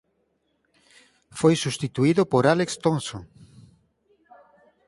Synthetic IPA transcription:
fojsust̪it̪uiðʊpoɾalekst̪onsoŋ

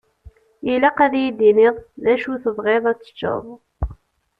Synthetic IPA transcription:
jilæqæðæjid̪inɪðˤðæʃuθəðˤʁeðˤæt͡sːə̥t͡ʃːə̰ðˤ

